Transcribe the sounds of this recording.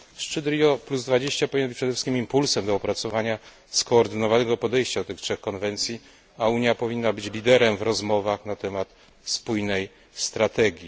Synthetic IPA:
ʂt͡ʂɘd̪ɾijɔpluzd̪vad͡ʑeɕt͡ɕapɔvʲiɲnːbɘt͡ɕpʂd̪ɛfʂɘ̥skʲimimpulsɛmd̪ɔɔpɾat̪sɔvaɲa | skɔːɾd̪ɘnɔvanɛɡɔpɔd̪ɛjɕt͡ɕad̪ɔt̪ɘxtʂɛxkɔnvɛnt̪sʲji | auɲjapɔvʲinːabɘt͡ɕlʲid̪ɛɾɛmvɾɔzmɔvaxnat̪ɛmat̪ | spujnɛj | st̪ɾat̪ɛɡʲji

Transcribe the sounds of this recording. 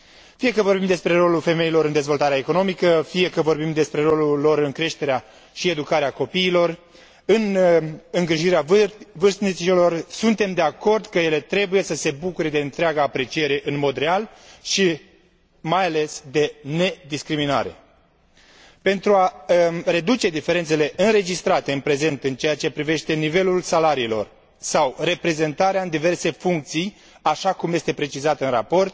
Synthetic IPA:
fije̞kəvo̞rbimd̪e̞spɾe̞ɾo̞lulfe̞me̞ilo̞ɾɨnd̪e̞zvo̞lt̪aɾeaeko̞no̞mikəfije̞kəvo̞rbimd̪e̞spɾe̞ɾo̞lulo̞ɾɨŋkɾe̞ʃt̪e̞ɾea | ʃie̞d̪ukaɾeako̞piːlo̞r | ɨnɨŋɡɾiʒiɾeavɨrsnisilo̞rsunt̪e̞md̪e̞ako̞rd̪kəje̞le̞t̪ɾe̞buje̞səse̞bukuɾe̞d̪e̞ɨnt̪ɾeaɡaːpɾe̞t͡ʃie̞ɾe̞ʔɨnmo̞d̪ɾe̞al | ʃi | majale̞sd̪e̞ne̞d̪iskɾimina̰ɾe̞ | pe̞nt̪ɾuare̞d̪ut͡ʃe̞d̪ife̞ɾe̞nt̪se̞le̞ʔɨnɾe̞d͡ʒist̪ɾat̪e̞ɨnpɾe̞ze̞nt̪ɨnt͡ʃe̞jat͡ʃe̞pɾive̞ʃt̪e̞nive̞lulsalaɾiːlo̞̰r | sawre̞pɾe̞ze̞nt̪aɾeaɨnd̪ive̞rse̞fuŋk̚t̪sij | aʃakumje̞st̪e̞pɾe̞t͡ʃizat̪ɨnra̰po̞rt̪̚

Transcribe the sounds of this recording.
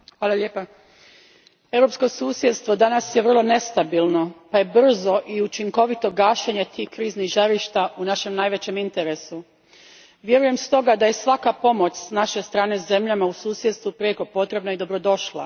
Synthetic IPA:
xʋaːlˠaʎeːpa | e̞wɾo̞psko̞suːsje̞d̪st̪ʋo̞d̪anasjeʋr̩lˠo̞ne̞st̪abilˠno̞paje̞br̩zo̞ʔiut͡ʃiŋko̞ʋit̪o̞ɡaːʃeɲe̞t̪ʰiːhkɾiːzniɣʒaɾiʃt̪aʔunaʃe̞mnajʋe̞t͡ɕe̞mint̪e̞ɾe̞su | ʋje̞ɾuje̞mst̪o̞ɡad̪aje̞sʋakapo̞mo̞t͡ʃsnaʃe̞st̪ɾaːne̞ze̞mʎamausuːsje̞d̪st̪ʋupɾeko̞po̞t̪ɾe̞bnaid̪o̞bɾo̞d̪o̞ʃlˠa̰

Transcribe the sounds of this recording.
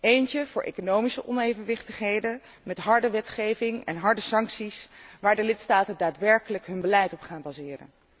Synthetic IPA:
ejncəv̥ʊːɹʔḛjkonowmisəʔɔnejvənʋɪχtəχɦejdə | mɛtɦɑɹdəʋɛtχejvɪŋɛ̰nɦɑɹdəsɑŋksisʋaːɹdəlɪtstaːtəndaːtʋɛɹkələkɦɵnbəlɛjtɔpχaːnbaːzɪːrə̰n

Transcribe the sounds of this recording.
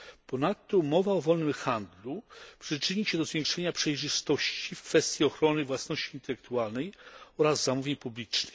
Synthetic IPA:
pɔnat̪ːɔmɔvaɔvɔlnɘmxand̪lupʂɘt͡ʂɘɲiɕɛd̪ɔzvʲjeŋkʂɛɲapʂɛjʐɘst̪ɔɕt͡ɕifkfɛst̪ʲjiɔxɾɔnɘvwasnɔɕt͡ɕiːnt̪ɛlɛk̚t̪ualnɛjɔɾazːamuvʲjeɲpublʲit͡ʂnɘj

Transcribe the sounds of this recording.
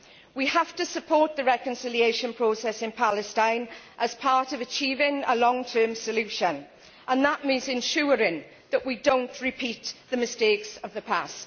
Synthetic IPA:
wihaftəsəpʰɔˑɹʔ̪̚ðəɹɛkə̃nsɪlieɪʃə̃npʰɹ̥oːsɛsɪ̃npʰalɪstãɪ̃nʔəz̥pʰɑɹtəvət͡ʃʰiːvɪ̃ŋə̰lɔ̃ŋtʰɜːmsəljʉʃə̃n | ʔə̃nðəʔmĩːnzɪ̃nʃʊːɹɪ̃ŋ | ðəʔwidõʊ̃nʔɹɪpʰiˑʔ̪ðəmɪsteɪksəvðəpʰast

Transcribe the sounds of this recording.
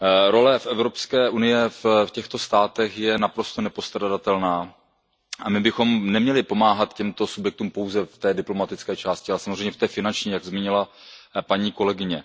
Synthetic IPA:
ɾo̞lɛfʔɛvɾo̞pskɛːʔunɪjɛffcɛxt̪o̞st̪aːt̪ɛxjɛnapɾo̞st̪onɛpo̞st̪ɾadat̪ɛlnaː | ʔamɪbɪxo̞mnɛmɲɛlɪpo̞maːɦat̪cɛmt̪o̞subjɛk̚t̪uːmpo̞wzɛft̪ɛːdɪplo̞mat̪ɪt͡skɛːt͡ʃaːscɪalɛsamozrɛjɲɛft̪ɛːfɪnant͡ʃɲiːjaɡzmiːɲɪlapaɲiːko̞lɛɡɪɲɛ

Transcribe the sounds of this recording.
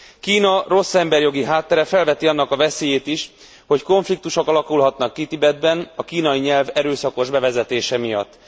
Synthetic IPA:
kiːnɒro̞sːɛmbɛrjo̞ɡiɦaːt̪ːɛɾɛfɛlvɛt̪iɒn̪ːɒkɒvɛseːjeːt̪iʃ | ho̞cko̞ɱflik̚t̪uʃo̞kɒlɒkulɦɒt̪nɒkːit̪ibɛd̪̚bɛnɒkiːnɒjiɲɛlvɛɾøːsɒko̞ʒbɛvɛzɛt̪eːʃɛmijɒ̰t̪ː

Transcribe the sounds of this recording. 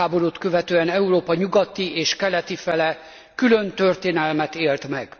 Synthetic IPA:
aːbo̞ɾut̪kø̞vɛt̪øːɛnɛuroːpɒɲuɡɒt̪ːieːʃkɛlɛt̪ifɛlɛ | kylø̞nt̪ø̞rt̪eːnɛlmɛt̪eːlt̪mɛɡ̥

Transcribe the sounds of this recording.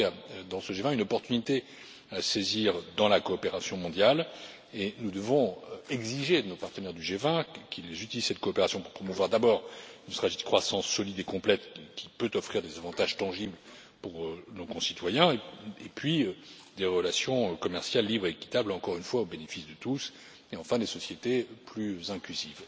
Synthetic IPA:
d̪ɑ̃səʒevɛ̃ynɔpɔʁt̪ynit̪e | aseziʁd̪ɑ̃lakɔːpeʁasjɔ̃mɔ̃d̪jal | enud̪əvɔ̃ɛɡziʒenopaʁt̪ənɛʁd̪yʒevɛ̃kʲʰilezyt̪iliz̥sɛt̪̚kɔːpeʁasjɔ̃puʁpχɔmuvwaʁd̪abɔʁynst̪χaʒid̪əkχwasɑ̃sːɔlid̪ekɔ̃plɛt̪kʲʰi̥pøt̪ɔfχiʁd̪ezavɑ̃t̪aʒt̪ɑ̃ʒibl | puʁønokɔ̃sit̪wajɛ̃epɥiø | d̪eʁəlasjɔ̃kɔmɛʁsjalːibʁeːkʲi̥t̪ablɑ̃kɔʁynfwaobenefisd̪ət̪us | eɑ̃fɛ̃d̪esɔsjet̪eplyzɛ̃klyziv

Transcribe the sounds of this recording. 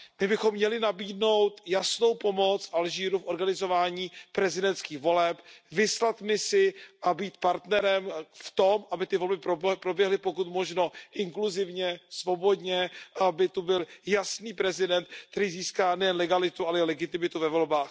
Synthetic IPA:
mɪbɪxomːɲɛlɪnabiːdno̞wt̪jasno̞wpo̞mo̞t͡sfʔalʒiːɾufʔo̞ɾɡanɪzo̞vaːɲiːpɾɛzɪdɛnt̪skiːxvo̞lɛpvɪslat̪mɪsɪʔabiːt̪̚paɾt̪nɛɾɛmft̪o̞mʔabɪt̪ɪvo̞lbɪpɾobpɾo̞bjɛɦlɪpo̞kut̪mo̞ʒno̞ʔɪŋkluzɪvɲɛsvo̞bo̞dɲɛʔabɪt̪ubɪljasniːpɾɛzɪdɛnt̪̚k̚t̪ɛɾiːziːskaːnɛjɛnlɛɡalɪt̪uʔalɛɪlɛɡɪt̪ɪmɪt̪uvɛvo̞lbaːx

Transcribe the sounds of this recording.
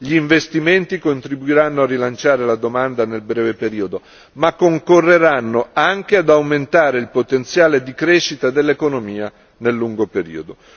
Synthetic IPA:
ʎiːɱvest̪iment̪ikont̪ɾibuiɾanːoarːilant͡ʃaːɾelad̪omand̪anelbɾɛːvepeɾiːod̪o | makːoŋkorːeɾanːoaŋk̟ead̪awment̪aːɾeilpot̪ent̪sjaːled̪ikɾeʃːit̪ad̪elːekonomiːa | nelːuŋɡopeɾḭːod̪o

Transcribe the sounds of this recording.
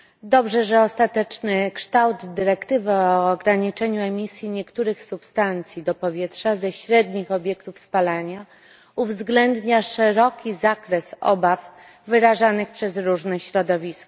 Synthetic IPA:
d̪ɔbʐɛʐɛɔst̪at̪ɛt͡ʂnɘkʂt̪awd̪ːɘɾɛkt̪ɘvaɔːɡɾaɲit͡ʂɛɲuɛmʲisʲjiɲɛkt̪uɾɘxsupst̪ant̪sʲjid̪ɔpɔvʲjɛtʂazɛɕɾɛd̪ɲixɔbʲjɛkt̪ufspalaɲa | uvzɡlɛnd̪ɲaʂɛɾɔkʲizakɾɛsɔ̰bafː | ɘɾaʐanɘxpʂɛzɾuʐnɛɕɾɔd̪ɔvʲiskɔ

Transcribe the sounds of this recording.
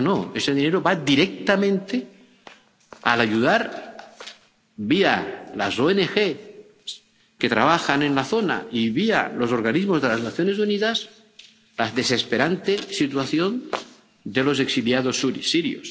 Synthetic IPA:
noese̞ðine̞ɾoβad̪iɾe̞k̚t̪amẽnt̪e | alaʝuðaɾ | biala̰soenexe | s | ke̞t̪ɾaβ̞axanẽ̞nlaθo̞na̰iβia̰lo̞so̞ɾɣanizmo̞zðe̞laznaθjone̞s̬uniðas | lazðe̞se̞spe̞ɾant̪esit̪waθjo̞n | d̪e̞lo̞s̬e̞ksiljað̞o̞suɾsiɾjo̰s

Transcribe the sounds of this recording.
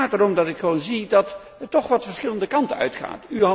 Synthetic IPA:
aːtəɾɔmdɑtɪkχəʋownzidɑt | əɹtɔχʋɑtfəɹsχɪləndəkɑntənœ̰ɥtχa̰ːty

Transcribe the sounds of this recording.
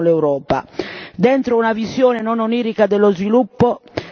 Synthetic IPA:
lɛwɾɔːpa̰d̪ɛnt̪ɾounavizjɔːnɛnɔnoniːɾikad̪ɛlːɔzvilupːɔ

